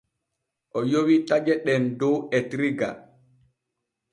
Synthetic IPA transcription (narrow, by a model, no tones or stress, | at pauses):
ʔɔjowitad͡ʒɛɗɛndɔwɛtɾiɡa̰